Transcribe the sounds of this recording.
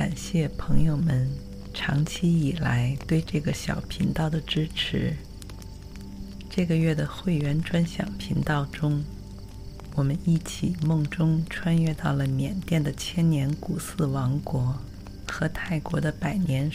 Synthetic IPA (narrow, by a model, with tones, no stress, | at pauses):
a˨˩nɕjɛ˥˩pʰɤ˧˥ŋjo˥˧ʊmə˧˦n | ʈ͡ʂʰɑ˧˥ŋt͡ɕʰi˥i˨˩la˧˥ɪt̪we˥˧ɪʈ͡ʂɤ˥˩ɡə˩ɕjɑ̰˨˩ʊpʰi˧˥ŋt̪ɑ˥˩ʊd̪ə˩ʈ͡ʂɻ̩˥ʈ͡ʂʰɻ̩˧˥ | ʈ͡ʂɤ˥˩ɡə˩ɥɛ˥˩d̪ə˩xwe˥˩ɪɥɛ˧˥nʈ͡ʂwa˥nɕjɑ̰˨˩ŋpʰi˧˥ŋt̪ɑ˥˩ʊʈ͡ʂʊ˥ŋ | wɔ˨˩mə˦ni˥˩t͡ɕʰi˨˩mʊ˥˩ŋʈ͡ʂʊ˥ŋʈ͡ʂʰwa˥nɥɛ˥˧t̪ɑ˥˩ʊlə˩mjɛ˨˩nt̪jɛ˥˩nd̪ə˩t͡ɕʰjɛ˥nnjɛ˧˥nku˨˩sɹ̩˥˩wɑ˧˥ŋkwɔ˧˥ | xɤ˧˥t̪ʰa˥˩ɪkwɔ˧˥d̪ə˧pa˨˩ɪnjɛ˧˥n